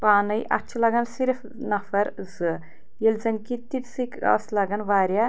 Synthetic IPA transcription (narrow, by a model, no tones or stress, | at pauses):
paːnɐjʔɐ̰t͡ʃʰlɐɡɐnsiɾf | nɐfɐɾzɨ | jelzɐnkit̪it̪sikɐ̰slaɡanʋaːɾʲja